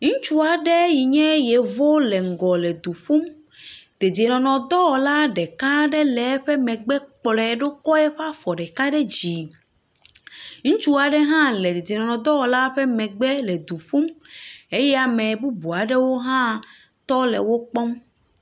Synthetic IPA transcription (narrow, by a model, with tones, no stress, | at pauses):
ŋũ˦t͡ʃu˦a˨ɖɛ˦ji˨ɲɛ̃˦je˨vo˦lɛ˨ŋ̩˨ɡɔ˨lɛ˨d̪u˨ɸu˦m | d̪̥e˨d̪i˨e˨nɔ̃˨nɔ̃˨d̪ɔ˦wɔ˨la˦ɖɛ˨ka˦ɖɛ˦lɛ˨˦ɸɛ˦mɛ̃˨ɡ͡bɛ˦k͡plɛ˨ɖo˦kɔ˦ɛ˦ɸa˦fɔ˨ɖɛ˨ka˦ɖɛ˦d͡ʑi˨ | ŋ̩̃˦t͡ʃu˦a˨ɖɛ˦ɦã˦lɛ˨d̪e˨d̪e˨nɔ̃˨nɔ̃˨d̪ɔ˦wɔ˨la˦ɸɛ˦mɛ̃˨ɡ͡bɛ˦lɛ˨d̪u˨ɸu˦me˦jɛ˦a˨mɛ̃˨bu˦bu˨a˨ɖɛ˦wo˦ɦã˦t̪ɔ˦lɛ̰˨wo˦k͡pɔ˦m